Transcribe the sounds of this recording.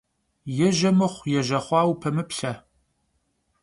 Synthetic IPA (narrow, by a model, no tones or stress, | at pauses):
jɛʒɐmɨχʷjɛʒɐχʷɑːwpʰɐmɨpɬɐ